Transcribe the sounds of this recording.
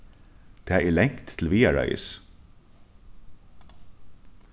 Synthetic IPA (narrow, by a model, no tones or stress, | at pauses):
d̪̥ʰeːæːʔiːlɛŋkt̪ʰl̩ʋiːæɹœ̰ʏə̰s